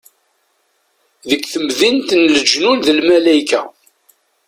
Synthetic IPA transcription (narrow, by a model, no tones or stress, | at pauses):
ðəkʷːθəmðint̪nləd͡ʒnunðəlmælæjkæ